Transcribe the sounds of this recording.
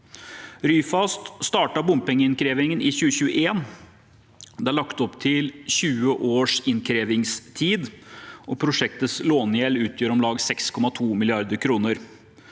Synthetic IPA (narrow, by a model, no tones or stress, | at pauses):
ɾyːfɑst̪st̪ɑːʈɑbʊmpɛŋːəɪnkʰɾeːʋɪŋənɪɕʉːəɕʉːə̰eːn | d̪ɛæɭɑkt̪ɔpt̪ʰɪlɕʉːəʔoːʂɪnkʰɾeːʋɪŋst̪ʰiːd̪ʔɔpʰɾʊʂɛk̚t̪ət̪sloːnjɛlʉːt̪ʰjøːɾɔmlɑːɡsɛkskʰɔmɑt̪ʰuːmɪlɪɑɾd̪əɾkʰɾuːnəɾ